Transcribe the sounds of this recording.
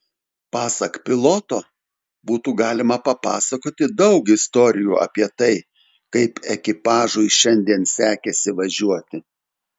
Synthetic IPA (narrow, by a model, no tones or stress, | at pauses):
pɑːsɐkpʲɪlˠot̪oː | buːt̪uːɡɑːlʲɪmɐpɐpɑ̰ːsɐkoːt̪ʲɪd̪ɐʊkɪst̪oːɾʲɪjuːɐ̰pʲiɛt̪ɐɪ | kɐɪpɛkʲɪpɑːʒʊɪʃʲɛnʲd̪ʲiɛnsʲæːkʲɛsʲɪʋɐʒʲuɔt̪ʲɪ